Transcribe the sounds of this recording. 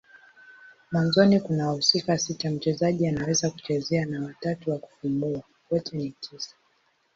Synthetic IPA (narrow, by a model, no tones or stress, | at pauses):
mwanzɔnikunawhusikasitam̩t͡ʃɛzaʄianawɛzaku̥t͡ʃɛzɛanawatatuwaku̥fumbua | wɔtɛnitʰisḁ